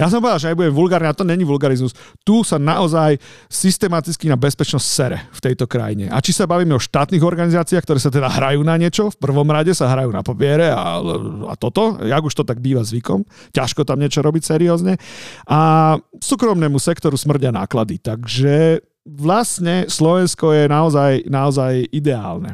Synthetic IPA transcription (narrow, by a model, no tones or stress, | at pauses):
jas̬ɔmpɔʋid̪alʒɛɲɛbuɟɛmʋulɡaːɾniat̪ɔɲɛɲiʋulɡaɾizmust̪uːsanaʔɔzaj | sist̪ɛmat̪it͡skinabɛspɛt͡ʃnɔscsɛɾɛ̰ft̪ɛjt̪ɔkɾa̰jiɲɛ̰ʔa̰t͡ʃisabaʋiːmɛɔʃt̪aːt̪niɣɔɾɡanizaːt͡siaxkt̪ɔɾɛːsat̪ɛd̪aɦɾajuːnaɲɪɛt͡ʃɔfpr̩ʋɔmɾaɟɛsaɦɾajuːna̰papɪɛɾɛa̰lɛ̰a̰t̪ɔt̪ɔaɡuʃt̪ɔt̪aɡ̚biːʋazʋikɔ̰mcaʃkɔt̪amɲɪɛt͡ʃɔɾɔbicsɛɾiɔːzɲɛʔasuːkɾɔmnɛːmusɛkt̪ɔɾusmr̩ɟana̰ːklad̪it̪aɡʒɛ | ʋlasɲɛslɔʋɛnskɔjɛnaɔzajnaɔzajʔid̪ɛa̰ːlnɛ̰